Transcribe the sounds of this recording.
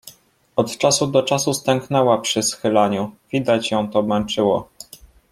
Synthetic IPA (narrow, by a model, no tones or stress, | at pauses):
ɔt̪t͡ʂasud̪ɔt͡ʂasust̪ɛŋknɛwapʂɘsxɘlaɲuvʲid̪at͡ɕjɔ̃w̃t̪ɔmɛnt͡ʂɘwɔ